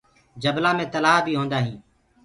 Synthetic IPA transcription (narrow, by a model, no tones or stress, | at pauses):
d͡ʒəblãːmẽːt̪əlaːɦbʱiːɦõːnd̪aːɦĩː